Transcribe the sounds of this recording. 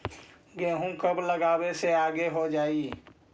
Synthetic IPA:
ɡeːɦũkəbləɡaːbeseaːɡeɦod͡ʒaːi

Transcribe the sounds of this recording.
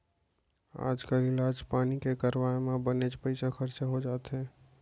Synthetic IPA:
a̰ːd͡ʒkəlɪlaːd͡ʒpaːnikekɐɾwaːjmãbɐned͡ʒpɐɪsaxɐɾt͡ʃaɦod͡ʒaːt̪eɦɛː

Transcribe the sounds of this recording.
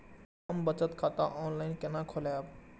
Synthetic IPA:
ɐmbət͡ʃət̪kʰat̪aʔɔːnlaɪnkenakʰolajb

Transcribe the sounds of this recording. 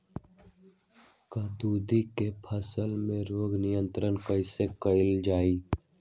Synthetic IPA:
kaːd̪uːd̪ikepʰəsəlmẽɾoːɡnɪjə̃nt̪ɾənkəɪsekəɪld͡ʒaːiː

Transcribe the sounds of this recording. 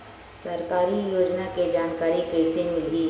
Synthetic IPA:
sɐɾkaːɾijoːd͡ʒnaked͡ʒaːnkaːɾikɛːsemɪlɡi

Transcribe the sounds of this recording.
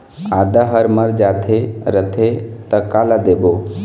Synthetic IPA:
ad̪aɦəɾməɾd͡ʒaːt̪ʰeɾət̪ʰet̪əkalad̪ebo

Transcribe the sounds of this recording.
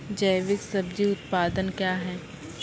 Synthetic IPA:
d͡ʒɐːʋɪksɐbd͡ʒiʊt̪paːd̪ənkjaːɦɛː

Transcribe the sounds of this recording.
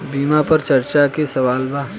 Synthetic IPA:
biːmapɐɾt͡ʃɐɾt͡ʃakesɐʋaːlbaː

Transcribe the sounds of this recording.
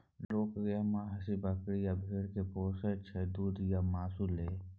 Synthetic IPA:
loːkɡemãɦɐsibəkɽijabʱeːɽkepoːset͡ʃʰed̪uːd̪jamaːsuleː

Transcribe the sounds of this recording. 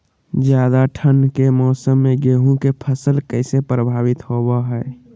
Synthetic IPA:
d͡ʒjaːd̪aʈʰənkemɔːsəmːeɡeɦũkepʰəsəlkəɪsepɾəbʱaːʋɪt̪hobaɦɛː

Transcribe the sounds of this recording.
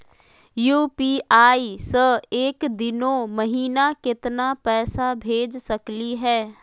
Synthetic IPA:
juːpiʔaːisəeːkd̪ɪnõməɦiːnakɪt̪napɛːsabʱeːd͡ʒsəkliɦɛː

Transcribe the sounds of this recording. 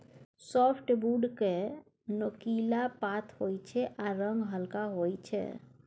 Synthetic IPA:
sɔpʰʈbuɖke | nokilapat̪ʰhojt͡ʃʰɛʔaɾəŋɡɦəlkaɦojt͡ʃʰɛ̰

